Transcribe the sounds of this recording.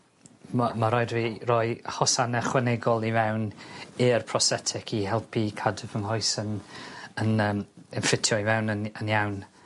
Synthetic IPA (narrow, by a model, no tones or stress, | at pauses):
mmaɾɔɨdviːrɔɨhɔsanɛχwɛnɛɡɔlˠivɛwnɨrpʰrɔsɛtʰɛkʰihɛlˠpʰikʰadəvəŋɦɔɨsənənəːmɪnfɪtʰjɔivɛwnənənjawn